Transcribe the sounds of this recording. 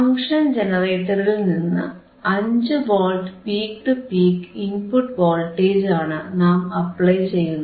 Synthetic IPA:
ɐŋʂɐnd͡ʑenɐreːʈːɐrilninːɨ̰ | ɐɲd͡ʑɨboːlʈpiːkʈɨpiːkimpuʈːboːlʈːeːd͡ʑaːɳɨnaːmɐpɭɐjt͡ɕe̞jːunːu

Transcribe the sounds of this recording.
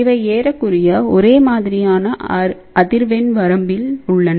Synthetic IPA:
ɪʋɐɪeːɾɐkːɯrɪjɐɔɾeːmaːðɪɾɪjaːnɐ | ɐðɪɾʋɛnʋɐɾɐmbɪlʊɭːɐn

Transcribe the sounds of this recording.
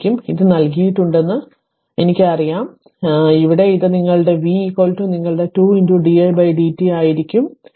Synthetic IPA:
kʲːumiðɨnɐlk̬ijiʈːuɳɖe̞nːɨ | enikʲːɨɐrijaːm | iʋiɽe̞iðɨniŋːɐɭɨɽe̞ʋiko̞ːltuniŋːɐɭɨɽe̞tuːinduɖiɐjbɐjɖiːtːiaːjiɾikʲːum

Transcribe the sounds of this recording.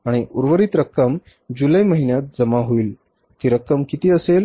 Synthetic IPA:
aɽ̃iʔuɾʋəɾiːt̪ɾəkːəm | d͡ʑuləjməɦinjat̪̚d͡zəmaɦoiːl | t̪iɾəkːəmkit̪iːəsel

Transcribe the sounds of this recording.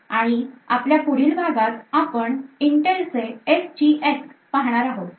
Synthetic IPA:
aɽ̃ia̰pljapuɽiːlbʱaɡat̪apəɳiɳʈelseest͡ɕieskpaɦɳ̃aɾaɦo

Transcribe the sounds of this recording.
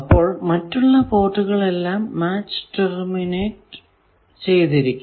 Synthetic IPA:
ɐpːo̞ːɭmɐtːuɭːɐpo̞ːʈːuɣɐɭe̞lːaːmːaːt͡ɕːɨ̥ʈermineːʈ | t͡ɕe̞jt̪iɾikʲːu

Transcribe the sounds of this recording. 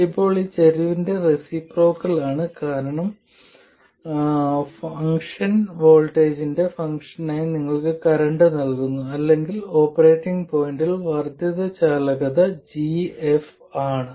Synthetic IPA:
ipːo̞ːɭit͡ɕeɾiʋinde̞resipro̞ːkːɐlaːɳɨkaːɾɐɳɐm | fɐŋkʂɐnʋo̞ːlʈe̞ːd͡ʑinde̞fɐŋkʂɐnaːjniŋːɐɭkɨkɐɾɐɳɖɨnɐlkunːuɐlːe̞ŋɡilo̞ːpːɐre̞ːʈːiŋɡpo̞ːjɳɖilʋɐrd̪jɐðɐt͡ɕaːlɐɣɐðɐd͡ʑief | aːɳɨ

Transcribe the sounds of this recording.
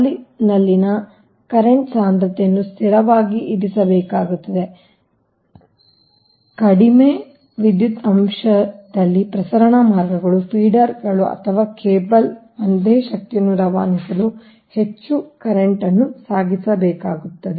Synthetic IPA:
linɐlːinɐ | kɐɾeɳʈsaːnd̪ɾɐt̪ɛjɐnːust̪ʰiɾɐʋaːɡiʔid̪isɐbɛːkaːɡut̪ːɐd̪e̞ | kɐɽime | ʋid̪jut̪ɐmʂɐd̪ɐlːipɾɐsɐɾɐɳɐmaːɾɡɐɡɐɭupʰiːɖɐɾɡɐɭuɐ̰t̪ʰɐʋaːkeːbɐl | ɐnd̪eːʃɐk̚t̪ijɐnːuɾɐʋaːnisɐlu | he̞t͡ʃːukɐɾeɳʈɐnːusaːɡisɐbɛːkaːɡut̪ːɐd̪e

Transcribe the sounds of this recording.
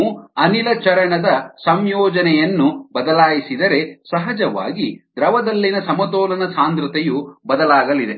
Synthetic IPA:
uɐnilɐt͡ʃɐɾɐɳɐd̪ɐsɐmjɔːd͡ʒɐnɛjɐnːubɐd̪ɐlaːjisid̪ɐɾesɐɦɐd͡ʒɐʋa̰ːɡid̪ɾɐʋɐd̪ɐlːinɐsɐmɐt̪ɔːlɐnɐsaːnd̪ɾut̪ɛjubɐd̪ɐlaːɡɐlid̪e

